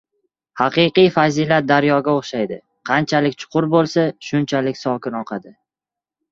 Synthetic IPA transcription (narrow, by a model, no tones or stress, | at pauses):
hɑqɨjqɨjfazilat̪̚d̪aɾjɒɡʲaoχʃajd̪ɪ | qʰɑnt͡ʃʰalɪkʲt͡ʃʰʊ̥qʰʊɾbolˠsaʃʊnt͡ʃʰalɪkʲsɒkʲɪnɒqʰad̪ɪ